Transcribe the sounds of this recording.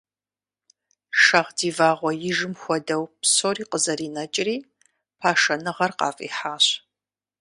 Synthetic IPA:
ʃɐʁdiːvaːʁʷɔjɪʒɪmxʷɔdɐwpʰsoːriːqəzɐɾiːnɐt͡ʃʼɪriː | pʰaːʃɐnɨʁɐrqɑ̰ːfʼḭːħaːɕ

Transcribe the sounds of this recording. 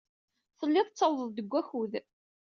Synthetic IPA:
θəlːɪðˤt͡sːəwðˤəðˤd̪əɡʷːæçuð

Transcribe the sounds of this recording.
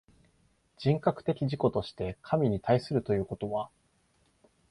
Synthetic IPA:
d͡ʑĩŋkakɯ̟̥t̪e̞kʲiʑiko̞t̪o̞ɕi̥t̪e̞kʰamʲiɲ̟it̪aisɨɾɯ̟t̪o̞jɯ̟ːko̞t̪o̞βa

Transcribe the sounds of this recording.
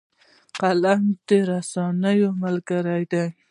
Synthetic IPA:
qalaŋd̪eɾasɑnajomalkaɾajd̪aj

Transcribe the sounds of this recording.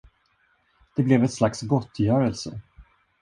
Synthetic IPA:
d̪̥ɛblɛvɛt̪slaksɡɔt̪ːjœːɾəlsə̰

